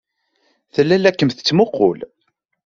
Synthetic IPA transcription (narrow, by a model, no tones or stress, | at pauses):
θəlːælækːəmθə̥t͡sːmoqːʊ̰l